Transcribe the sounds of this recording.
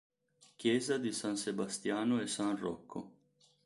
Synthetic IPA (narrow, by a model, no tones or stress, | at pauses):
k̟jɛːzad̪isãnsebast̪jaːnoɛsanrɔkʰːo̰